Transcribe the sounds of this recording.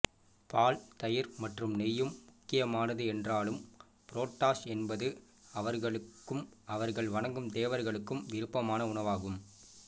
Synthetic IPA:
paːlt̪ɐjɪɾmɐʈrɯmnɛjːɯmːʊkːɪjɐmaːnɐðɯɛndraːlɯm | pɪɾoːʈːaːsɛnbɐðɯ | ɐʋɐɾɣɐɭɯkːɯmɐʋɐɾɣɐɭʋɐɳɐŋɡɯmd̪eːʋɐɾɣɐɭɯkːɯmʋɪɾɯpːɐmaːnɐʊnɐʋaːɣɯm

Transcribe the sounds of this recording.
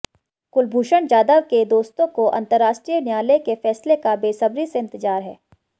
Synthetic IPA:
kʊlbʱuːʃəɳd͡ʒaːd̪əʋked̪oːst̪õkoʔɐ̰̃nt̪əɾːaːʃʈɾijənjaːlekefɛːslekabeːsɐbɾiseɪ̃nt̪ɪd͡ʒaːɾɦɛ̰ː

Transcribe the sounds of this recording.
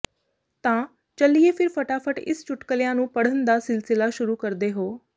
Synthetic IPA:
t̪ãː | t͡ʃəlieːpʰɪɾpʰəʈaːpʰəʈɪ̰st͡ʃʊʈkəlɪjãːnũːpəɽ̤ənd̪aːsɪlsɪlaːʃʊɾuːkəɾd̪eːɦoː

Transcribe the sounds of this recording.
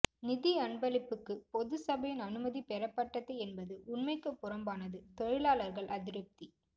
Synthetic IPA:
nɪðiɐɳbɐlɪpːɯkːɯpɔðɯsɐbɐjɪnɐnɯmɐðipɛɾɐpːɐʈːɐt̪ːɐɪɛnbɐðɯʔʊnmɐɪkːɯpːʊrɐmbaːnɐðɯt̪ɔɻɪɭaːlɐɾɣɐɭʔɐðɪɾɯp̚t̪i

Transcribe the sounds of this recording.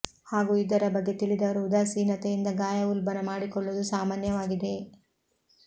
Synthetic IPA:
haːɡuːid̪ɐɾɐbɐɡːe̞t̪iɭid̪ɐʋɐɾuud̪aːsiːnɐt̪ejind̪ɐɡaːjɐulbɐnɐmaːɽikɔɭːud̪usaːmaːnjɐʋaːɡid̪e̞

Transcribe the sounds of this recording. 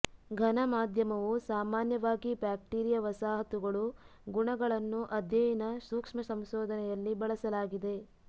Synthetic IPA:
ɡʱɐnɐmaːd̪ʱjɐmɐʋusaːmaːnjɐʋaːɡibaːk̚ʈiːɾijɐʋɐsaːɦɐt̪uɡɐɭu | ɡuɳɐɡɐɭɐnːuʔɐd̪ʱjɐjinɐsuːkʂmɐsɐmʃɔːd̪ʱɐnɛjɐlːibɐɭɐsɐlaːɡid̪e̞

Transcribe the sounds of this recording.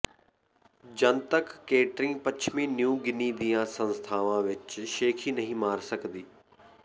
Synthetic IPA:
d͡ʒənt̪əkːeːʈɾĩːpət͡ʃʰmĩːnjũːɡɪniːd̪ijãːsə̃nst̪ʰaːʋãːʋɪt͡ʃʃeːkʰiːnəɦĩːmaːɾsəkd̪iː

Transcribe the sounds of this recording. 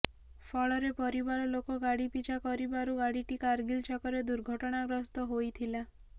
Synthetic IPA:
pʰɔɭɔɾepɔɾibaɾɔlokɔɡaɽipit͡ʃʰakɔɾibaɾuɡaɽiʈikaɾɡilt͡ʃɔkɔɾed̪uɾɡʱɔʈɔɽ̃aɡɾɔst̪ɔɦojt̪ʰila

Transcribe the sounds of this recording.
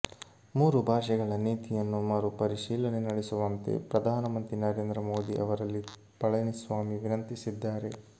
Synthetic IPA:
muːɾubʱaːʂɐɡɐɭɐniːt̪ijɐnːumaːɾupɐɾiʂiːlɐnenɐɽesuʋɐnt̪e̞̰pɾɐd̪ʱaːnɐmɐnt̪ɾinɐɾeːnd̪ɾɐmoːd̪iʔɐʋɐɾɐlːi | pɐɭɐnisʋaːmiʋinɐnt̪isid̪ːaːɾe̞

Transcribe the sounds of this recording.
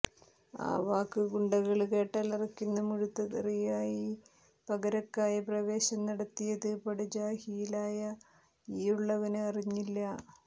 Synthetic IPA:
a̰ːʋaːkːɨkuɳɖɐɣɐɭke̞ːʈːaːlɐrɐkʲːunːɐmuɻut̪ːɐðirijaːji | pɐɣɐɾɐkːaːjɐprɐʋe̞ːɕɐmnɐɽɐt̪ːijɐðɨpɐɽid͡ʑaːhijilaːjɐ | iːuɭːɐʋɐnɨɐriɲːilːɐ

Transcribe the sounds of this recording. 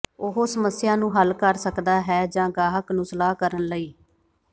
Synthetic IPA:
ʊɦoːsəməsɪjãːnũːɦəlkəɾsəkd̪aːɦɛːd͡ʒãːɡaːɦəknʊslaːkəɾənləiː

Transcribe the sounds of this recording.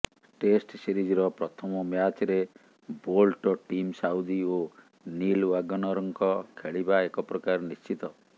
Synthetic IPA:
ʈesʈsiɾid͡ʒiɾɔpɾɔt̪ʰɔmɔmjat͡ʃɔɾe | bolʈɔʈimsaud̪io | nilwaɡɔnɔɾɔŋkɔkʰeɭibaekɔpɾɔkaɾɔnist͡ʃit̪ɔ

